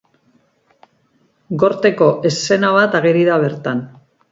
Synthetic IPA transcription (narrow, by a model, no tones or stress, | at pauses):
ɡo̞ɾt̪e̞ko̞ʔe̞sːe̞naβ̞at̪aɣeɾiðaβ̞e̞ɾt̪an